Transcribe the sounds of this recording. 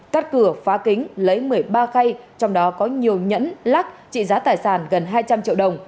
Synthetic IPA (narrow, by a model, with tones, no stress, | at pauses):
kaː˦˥t̚kɨ˧˩əfaː˨˦kï˨˦ŋ̟lə˨˦jmɨ˨˩əjɓaː˧xa˧jt͡ɕɔ˧wŋ͡mɗɔ˨˦kɔ˨˦ɲi˨˩əwɲə̰˧˥nlaː˦˥k̚t͡ɕḭ˧˨zaː˨˦t̪aː˨˩jsaː˧˩nɣə˨˩nɦaː˧jt͡ɕa˧mt͡ɕḭ˧˨əwɗə˨˩wŋ͡m